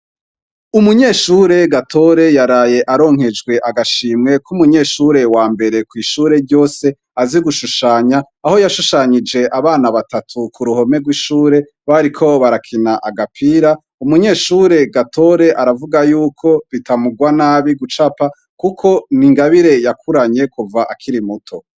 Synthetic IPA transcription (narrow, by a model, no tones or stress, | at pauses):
umuɲe̞ːʃuɾe̞ɡatʰo̞ɾe̞jaɾaːje̞ʔaɾo̞ːŋ̥he̞d͡ʒɡwe̞ʔaɡaʃiːmŋe̞kʰumuɲe̞ːʃuɾe̞waːmbe̞ɾe̞kwiːʃuːɾe̞ɾɟo̞ːse̞ | aziɡuʃuʃaːɲaːho̞jaʃuʃaɲid͡ʒe̞ʔaβaːnaβatatʰukʰuɾuho̞me̞ɡwiːʃuːɾe̞ | βaɾikʰo̞βaɾakʰinaʔaɡapʰiːɾa | umuɲe̞ːʃuɾe̞ɡatʰo̞ɾe̞ʔaɾavuɡajuːkʰo̞βitamuɡwanaːβiɡut͡ʃapa | kukʰo̞niŋɡaβiɾe̞jakʰuɾaɲe̞kuvaʔakʰiɾimutʰo̞